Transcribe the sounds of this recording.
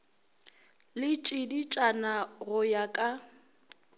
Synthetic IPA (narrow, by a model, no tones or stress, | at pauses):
lɪt͡ʃʼɪdit͡ʃʼanaɣʊjakʼa